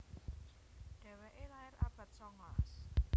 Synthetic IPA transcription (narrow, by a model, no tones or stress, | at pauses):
ɖ̥ɛ̤wɛʔelaɪɾab̥a̤t̪̚sɔŋas